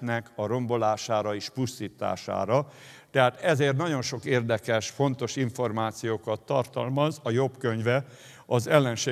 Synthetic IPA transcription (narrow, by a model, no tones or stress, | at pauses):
nɛkʰɒɾo̞mbo̞laːʃaːɾɒeːʃpust̪iːt̪a̰ːʃa̰ːɾɒt̪ɛɦaːt̪ɛzeːrt̪nɒɟo̞nʃo̞keːrd̪ɛkɛʃfo̞nt̪o̞ʃiɱfo̞rmaːt̪sijoːkɒt̪ːɒrt̪ɒlmɒzɒjo̞bkø̞ɲvɛ | ɒzɛlːɛnʃeː